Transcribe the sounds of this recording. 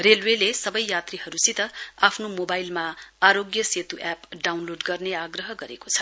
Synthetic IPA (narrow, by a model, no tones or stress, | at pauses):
relwelesʌbʌjjat̪riɦʌɾusit̪ʌapʰnomobailmaaɾoɡjʌset̪uʔapɖawnloɖɡʌrneaɡrʌɦʌɡʌɾekot͡sʰʌ̥